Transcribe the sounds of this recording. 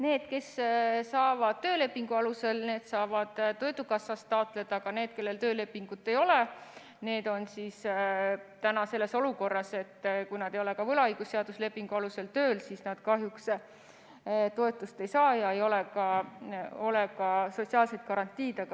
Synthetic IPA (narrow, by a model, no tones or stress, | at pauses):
ne̞ːd̪̥ke̞ssɑːvɑd̪̥̚t̪ø̞ːle̞pːiŋɡ̥uɑluse̞lne̞ːd̪̥sɑːvɑd̪̥t̪ːo̞jd̪ukɑsːɑst̪ːɑot̪ˑle̞d̪ɑɡ̥ɑne̞ːd̪̥̚ke̞lːe̞lt̪ø̞ːle̞pːiŋɡ̥ut̪ːˑe̞jo̞le | ne̞ːd̪̥o̞nsiːs | t̪ænɑse̞lːe̞so̞luko̞rːɑse̞t̪ːkujnɑd̪̥ejo̞le̞kɑvɤlɑɯjɡ̥usːeɑd̪̥usle̞pːiŋɡ̥uɑluse̞lt̪øːlsiːsnɑd̪̥kɑɦjuks | t̪o̞e̞t̪ːˑust̪e̞jsɑːjɑe̞jo̞lekɑ | o̞lekɑso̞t̪ʲsiɑːlse̞t̪̚kɑɾɑnt̪ʲːˑiːd̪̥eɡɑ